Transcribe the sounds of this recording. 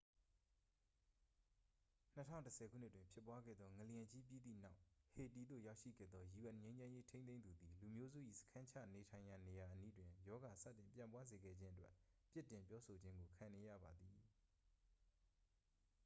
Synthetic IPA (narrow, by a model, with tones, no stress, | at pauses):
n̥ətʰã̰˦˨ʊ̃ntəsʰɛ˨kʰu˦˨n̥ɪ˦twɪ̃˨mpʰjɪ˦pːwa˦ɡɛ̰˦˨d̪ðɔ˦ŋə˨ljɛ̃˨t͡ɕi˦p̬ji˦d̪ḭ˦˨na˦ʊʔhe˨ti˨d̪o̰˦˨ja˦ʊʔʃḭ˦˨ɡɛ̰˦˨d̪ðɔ˦ju˨ɛ̃˨ɲẽ˦ɪ̃ɲd͡ʑã˦je˦tʰẽ˦nẽ˦nd̪u˨d̪i˨lu˨mjo˦zṵ˦˨ʔḭ˦˨sə̥kʰã˦ɲt͡ɕʰä̰˦˨ne˨tʰã˨ɪ̃ja˨ne˨ja˨ʔəni˦dwɪ̃˨jɔ˦ɡa˨sä̰˦˨tɪ̃˨mpjã̰˨mpwa˦ze˨ɡɛ̰˦˨d͡ʑɪ̃˦ʔə˦twɛ˦ʔpjɪ˦˨tɪ̃˨mpjɔ˦sʰo˨d͡ʑɪ̃˦ŋɡo˨kʰã˨ne˨jä̰˦˨ba˨d̪i˨